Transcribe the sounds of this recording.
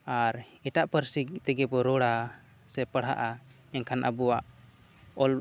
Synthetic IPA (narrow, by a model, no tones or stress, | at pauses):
aɾ | ɛʈaʔpəɾsit̪ɛɡɛpɔɾɔɽa | sɛpəɽ̤ɦa̰ʔa | ɛnkʰanʔə̰buwaʔ | ɔl